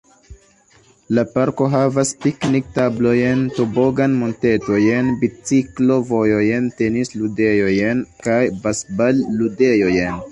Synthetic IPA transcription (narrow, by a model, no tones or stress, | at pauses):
lapaɾko̞ɦavaspiknik̚tablo̞jentobo̞ɡanmonte̞to̞jenbit͡siklo̞vo̞jojente̞nislude̞jo̞jenkajbasbalːude̞jo̞jen